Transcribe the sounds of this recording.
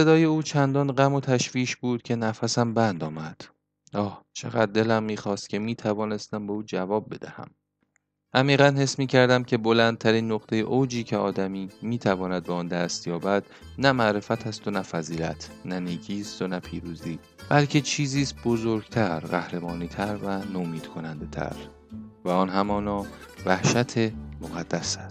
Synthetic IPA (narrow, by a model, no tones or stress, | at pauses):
se̞d̪ɒːje̞uːt͡ʃʰænd̪ɒːnɢæmo̞t̪ʰæʃviːʃbuːd̪̥cʲʰe̞næfæsæmbænd̪ɒːmæd̪̥ | ɒːht͡ʃʰe̞ɣæd̪̚ːe̞læmːiːxɒːst̪̚kcʰe̞miːt̪ʰævɒːne̞st̪æmbeuːd͡ʒævɒːb̚be̞d̪æhæ̰m | ʔæmiːɣænhe̞smiːcʰæɾd̪æmcʰe̞bolænd̪̚t̪ʰæɾiːnːoqt̪ʰe̞jḛʔowd͡ʒiːcʰe̞ɒːd̪æmiːmiːt̪ʰævɒːnæd̪̚beɒːnd̪æst̪jɒːbæd̪̥ | næmæʔɾe̞fæt̪ʰæst̪onæfæziːlæt̪ʰnæniːcʰiːst̪onæpʰiːɾuːziː | b̥ælcʰe̞t͡ʃʰiːziːst̪̚bo̞zoɾɡt̪ʰæɾɢæhɾe̞mɒːniːt̪ʰæɾvænomiːd̪̥kʰo̞nænd̪e̞t̪ʰæ̰ɾ | væɒːnɦæmɒːnɒːvæhʃæt̪ʰemoɣæd̪̥ːæsæs